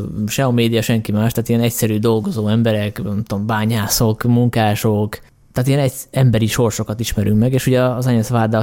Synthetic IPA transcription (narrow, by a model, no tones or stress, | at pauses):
ʃɛomeːd̪ijɒʃɛŋkimaːʃt̪aːt̪ijɛnɛcsɛɾyːd̪o̞lɡo̞zoːɛmbɛɾɛkɛmt̪ombaːɲaːso̞kmuŋkaːʃo̞k | t̪aːt̪ijɛnɛcɛmbɛɾiʃo̞rʃo̞kɒt̪iʃmɛɾyŋkmɛɡeːʃhuɟɒːzɛɲɛsʋaːd̪a